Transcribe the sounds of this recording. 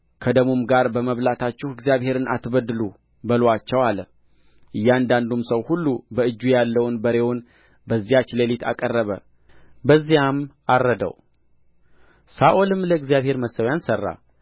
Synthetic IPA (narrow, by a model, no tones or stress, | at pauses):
kʰəd̪əmumɡaɾbəməβlat̪ʰat͡ʃːɪhɨɡzijaβhe̞ɾɨnʔa̰t̪bəd̪ɨlu | bəlwat͡ʃːəwalə | ʔɨjːand̪and̪umsəwhulːubəɨd͡ʒːujalːəwnbəɾe̞won | bəzːijat͡ʃlelit̪ʰa̰kʼərːəβə̰ | bəzːijamʔarːəd̪ə̰w | saʔolɨmləɨɡzjaβhe̞ɾməsːəwjansərːa̰